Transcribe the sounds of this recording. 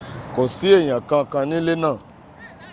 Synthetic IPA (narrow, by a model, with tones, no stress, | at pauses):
kɔ˨si˦e˦˨ɲã˨kã˧kã˧nĩ˦le˦nã˦˨